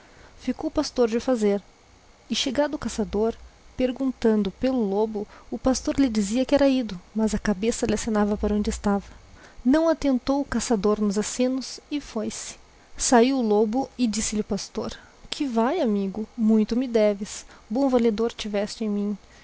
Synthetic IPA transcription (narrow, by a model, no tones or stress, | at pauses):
fikowpast̪oɾd͡ʒɪʊfazeɾ | ɪʃeɡad̪ʊʊkasad̪oɾpeɾɡũnt̪ɐ̃nd̪ʊpelʊlobʊʊpast̪oɾlɪd͡ʒiziɐkɪɛɾɐid̪ʊmɐzɐkabesɐlɪasenavɐpaɾɐõd͡ʒɪst̪avɐnɐ̃w̃at̪ẽnt̪owʊkasad̪oɾnʊzasẽnʊsɪfojsɪ̥ | saiwʊlobʊɪd͡ʒisɪlɪʊpast̪oɾ | kʰɪvajamiɡʊmũj̃t̪ʊmɪd̪ɛvɪsbõw̃valed̪oɾt͡ʃivɛst͡ʃɪẽj̃mĩ